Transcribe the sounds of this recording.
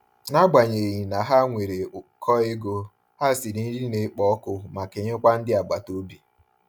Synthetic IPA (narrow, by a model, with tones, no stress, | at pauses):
na˦ɡ͡ba˨ɲe˨ɲi˨na˨ɦa˦ŋʷe˨ɾe˨kʰɔ˦ɪ˦ɡo˦ | ha˦˨si˨ɾi˦ɾi˦ne˦k͡pɔ˦kʊ˨ma˨ke˨ɲe˦kʷa˦n̩˦dɪ˦a˨ɡ͡ba˨to˦bi˨